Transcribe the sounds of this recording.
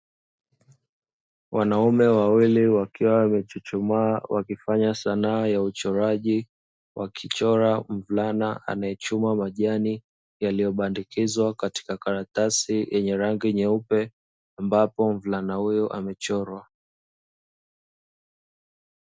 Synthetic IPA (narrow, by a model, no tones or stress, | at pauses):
wʔanaumɛwawiliwakiwawmɛt͡ʃut͡ʃumawakifaɲasanaːjaut͡ʃɔɾaʄi | wakʰit͡ʃɔɾam̩vlanaa̰najɛt͡ʃumamaʄani | jalijɔɓandikʰizwakati̥kakaɾatasijʔɛɲɛɾaŋɡiɲɛupɛ | ambapɔm̩vlanahujɔʔa̰mɛt͡ʃɔɾwa